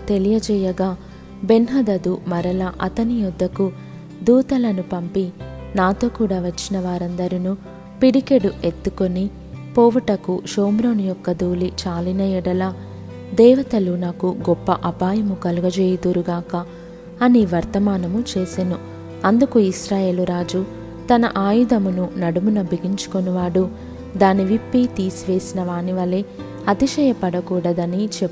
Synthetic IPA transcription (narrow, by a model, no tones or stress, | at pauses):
t̪e̞lijɐd͡ʒɛːjɐɡaː | be̞nɦɐd̪ɐd̪umɐɾɐlɐʔɐt̪ɐnijɔd̪ːɐku | d̪uːt̪ɐlɐnupɐmpi | naːt̪o̞ːkuːɽaːʋɐt͡ʃːinɐʋaːɾɐnd̪ɐɾinu | piɽikeɽuʔe̞t̪ːuko̞ni | pɔːʋɐʈɐkuʃoːmɾoːnijɔkːɐd̪uːlit͡ʃaːlinɐjɛɽɐlaː | d̪ɛːʋɐt̪ɐlunaːkuɡɔpːɐʔɐpaːjɐmukɐluɡɐd͡ʒeːjɐd̪uɾuɡaːkɐː | niʋɐɾt̪ɐmaːnɐmut͡ʃeːsinu | ɐnd̪ukuisɾaːje̞ːluɾaːd͡ʒu | t̪ɐnɐ̰ʔaːjud̪ɐmununɐɽumunɐbiɡiɲt͡ʃu̥koniʋaːɽu | d̪aːniʋipːit̪iːsiʋe̞ːsinɐʋaːniʋɐle | ɐt̪iʃɐjɐpɐɽɐkuːɽɐd̪ɐnit͡ʃepːu